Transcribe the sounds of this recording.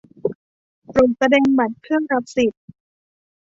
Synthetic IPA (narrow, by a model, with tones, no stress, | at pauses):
pɾo˨˩t̚sa˧dɛː˧ŋba˨˩t̪̚kʰɯ˥˩əŋɾa˧˦˥p̚si˨˩t̪̚